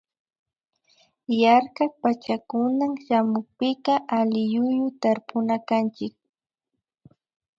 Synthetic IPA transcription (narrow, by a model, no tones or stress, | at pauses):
jaɾkak̚pat͡ʃakʊnamʃamʊk̚pɪqɑʔalɪjʊjʊt̪aɾpʊnakant͡ʃɪk̚